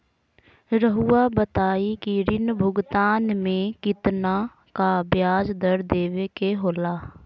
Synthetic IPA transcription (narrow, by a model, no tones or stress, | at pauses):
ɾəɦuːabət̪aːikiɾɪnbʱʊɡt̪aːnmẽkɪt̪na | kabjaːd͡ʒd̪əɾd̪eːʋekeɦoːlaː